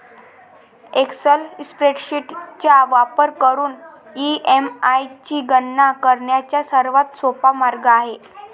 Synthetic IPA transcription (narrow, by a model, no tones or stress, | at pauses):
eksəlspɾeʈɕiʈt͡ɕjaʋapəɾkəɾuːn | iemajt͡ɕiːɡənːakəɾɳjat͡ɕjasəɾʋat̪sopamaɾɡaːɦe